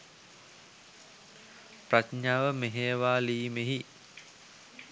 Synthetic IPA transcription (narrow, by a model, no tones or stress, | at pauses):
pratɲaːʋəmeɦeːʋaːliːmeɦi